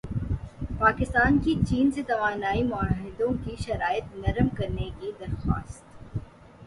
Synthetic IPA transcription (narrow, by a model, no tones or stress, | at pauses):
paːkɪst̪aːnkit͡ʃiːnset̪ɐʋaːnaːimʊaɦɪd̪õkiʃɐɾaːjət̪nɐɾmkɐɾnekid̪ɐɾxa̰ːst̪